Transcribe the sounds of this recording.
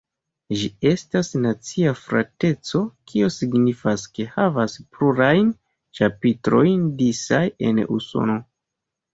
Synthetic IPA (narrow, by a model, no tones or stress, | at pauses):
ʒie̞stasnat͡siafɾa̰te̞t͡so̞kʰiosiɡnifaske̞havaspɾuɾajn | t͡ʃapitɾo̞jndisaje̞̰nṵso̞̰no̞